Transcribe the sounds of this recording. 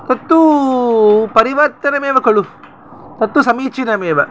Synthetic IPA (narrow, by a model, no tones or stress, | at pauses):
t̪ɐt̪ːu | pɐɾiʋɐɾt̪ɐnɐmeːʋɐkɐɭu | t̪ɐt̪ːusɐmiːt͡ʃinɐmeːʋɐ